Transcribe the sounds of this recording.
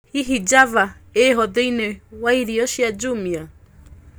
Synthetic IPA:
hiɦid͡ʒavaeɦɔðɛinɛwaiɾiɔʃiad͡ʒumia

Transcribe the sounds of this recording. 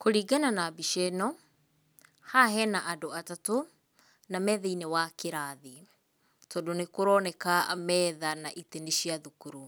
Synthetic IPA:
koɾiːɡananabiʃɛnɔ | haɦɛnaʔadoatato | namɛːðɛinewakeɾaði | tɔːdonekoɾɔnɛkamɛːðanaʔiteneʃijaðukuɾu

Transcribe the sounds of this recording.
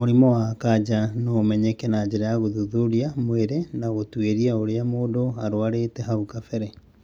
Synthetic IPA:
oɾimɔwakad͡ʑanɔmɛɲɛkɛnad͡ʑeɾajaɣoðuðuɾiamweɾenaɣotweɾiaoɾeamoːdoaɾwaɾetɛɦaukafɛɾɛ

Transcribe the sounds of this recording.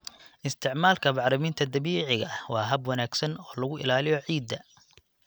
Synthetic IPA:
ʔɪst̪ʰɪʕmaːlkʰɐbɑʕɾɪmɪnt̪ʰɐd̪ɐβiːʕɪɣɐwɑːɦɐbwɐnaːɡsɐnɔːlɐɣʊɪ̰laːlɪjɔʕiːd̪ːɐ

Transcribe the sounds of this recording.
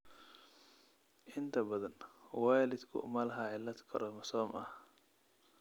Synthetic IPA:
ʔɪnt̪ʰɐbɐðɐnwɑːlɪd̪kʰʊ̰mɐlɐɦaʕɪlːɐd̪kʰɐ̰ɾɔmɐsɔːmɐh

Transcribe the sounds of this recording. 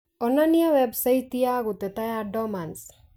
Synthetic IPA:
ɔnːanijawebsait̪ijaɡut̪et̪ajaɖɔmans

